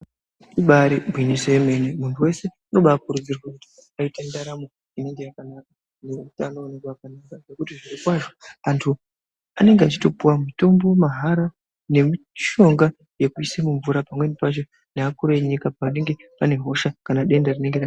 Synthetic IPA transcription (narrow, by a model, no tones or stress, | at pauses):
iɓaɾibʱwiniseme̞nemuntʰuwe̞se̞ano̞ɓaːkuɾud͡zirwakuti̥ | aitendaɾamo | ineŋɡe̞jakanaka | neutaːnoːnekwaakanakaʐekutiʐirikwaʐo̞antʰu | a̰ne̞ŋɡeat͡ʃito̞puwamito̞mbo̞maɦaɾa | ne̞mi | ʃo̞ŋɡa | jekuisemuɱvuɾapamwe̞nipat͡ʃo̞ | neakuɾoeɲikapane̞ŋɡe̞pane̞ɦo̞ʃakanaɗe̞ndarine̞ŋɡeɾa